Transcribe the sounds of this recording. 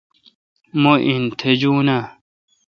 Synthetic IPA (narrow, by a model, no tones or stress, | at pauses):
moʔint̪ʰed͡ʑuːna